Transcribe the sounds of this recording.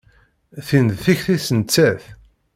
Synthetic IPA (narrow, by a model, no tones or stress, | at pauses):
θinðθiçθisənt͡sːæθ